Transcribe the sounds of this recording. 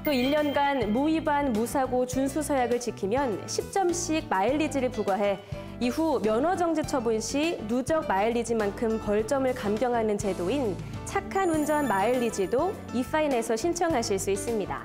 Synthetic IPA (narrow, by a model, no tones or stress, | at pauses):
t͈oiʎːʌnɡanmuibanmusʰaɡot͡ɕunsʰusʰʌjaɡɯɭt͡ɕikʰimjʌnɕʰip̚t͡ɕ͈ʌmɕ͈ʰiɡ̚maiɭːid͡ʑiɾɯɭpuɡwaɦe̞ | iɦumjʌnwʌd͡ʑʌŋd͡ʑet͡ɕʰʌbunɕʰinud͡ʑʌk̚maiɭːid͡ʑimankʰɯmkʌɭt͡ɕ͈ʌmɯɭkamɡjʌŋɦanɯnt͡ɕe̞doin | t͡ɕʰakʰanund͡ʑʌnmaiʎːid͡ʑido | is͈ʰaine̞sʰʌɕʰint͡ɕʰʌŋɦaɕʰiɭs͈uis͈ɯmɲida̰